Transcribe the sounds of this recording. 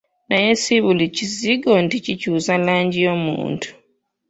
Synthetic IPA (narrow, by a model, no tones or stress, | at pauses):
najesiβuliciziɡo̞nticicuːzalaːɲɟijo̞mṵːntu̥